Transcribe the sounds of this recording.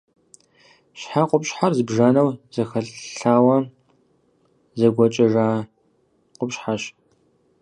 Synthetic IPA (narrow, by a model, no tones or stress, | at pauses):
ɕħaqʷʼʊpɕħarzɨbʒaːnɐwzɐxɐɬɬaːwɐ | zɐɡʷɔt͡ʃʼɐʒaː | qʷʼʊpɕħaɕ